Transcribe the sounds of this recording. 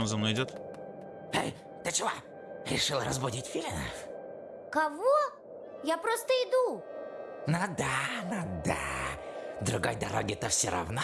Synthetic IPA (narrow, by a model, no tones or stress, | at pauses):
mzɐmnojɪdʲot̪ | hɛ̰j | t̪ət͡ʃɪlˠa | ɾʲɪ̰ʂɨlˠɾɐzbʊdʲitʲfʲilʲnə | kɐvo | japɾost̪əɪd̪u | nad̪anad̪a̰ | d̪ɾʊɡa̰jd̪ɐɾoɡʲɪt̪əfsʲɔɾʔɐ̰vno